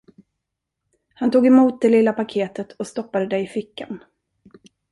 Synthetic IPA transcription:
hant̪uːɡɛmuːt̪̚d̪ɛlɪlːapakʰeːt̪ət̪ʰɔst̪ɔpːad̪əd̪ɛjɪfɪkːa̰n

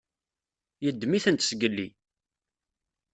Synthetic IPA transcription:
jəd̪ːmiθənt̪sɡəlːi

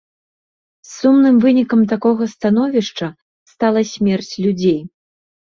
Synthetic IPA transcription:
sːumnɨmvɨnʲikɐmt̪akɔɣɐst̪an̪ɔvʲiʂt͡ʂɐ | st̪alˠɐsʲmʲɛrt͡sʲlʲud͡zʲej

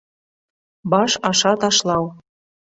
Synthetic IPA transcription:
bɑʃɑʃɑt̪ɑʃlˠɑw

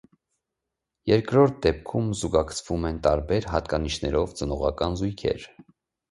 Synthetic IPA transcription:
jɛɾkɾɔɾt̪̚ʰd̪ɛp̚kʰumzuɡɑkʰt͡sʰv̥umɛnt̪ɑɾbɛɾɦɑt̪kɑniʃnɛɾɔvt͡sənɔʁɑkɑnzujkʰɛ̰ɾ

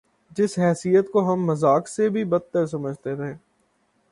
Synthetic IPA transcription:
d͡ʒɪsɦɛːsijət̪koɦɐmːɐzaːksebʱibɐt̪ːəɾs̬ɐməd͡ʒʱt̪eɾɐɦeː

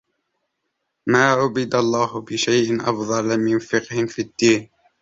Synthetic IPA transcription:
maːʕʊbɪd̪alˤːɑːhʊbɪʃajʔɪnʔɑ̰fðˤɑlmɪnfɪqhɪmfid̪ːiːn

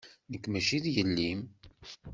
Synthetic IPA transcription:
nəkːmæʃiðjəlːim

